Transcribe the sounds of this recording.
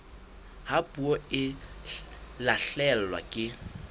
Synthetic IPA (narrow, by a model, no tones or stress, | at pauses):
hapʼuɔɪ | laɬɛl̩lwa̰kʼɪ